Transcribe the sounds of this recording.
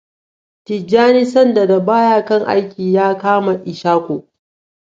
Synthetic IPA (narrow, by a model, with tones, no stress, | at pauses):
tɪ˨d͡ʒːaː˦ni˦sɐ˦nda˨da˨baː˦jaː˦kɐ˦˨ŋʔa̰˦jkʲiː˨jaː˦kaː˦ma˨ʔɪ˨ʃaː˦kʷoː˨